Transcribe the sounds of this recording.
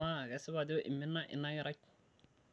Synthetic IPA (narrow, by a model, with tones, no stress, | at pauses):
a˦˨ɡɛ˦sɪ˦ba˨d̪o˦ʔḭ˨mːi˦nːa˦ʔɪ̰˨nːa˦ɡɛ˦ɾa˦k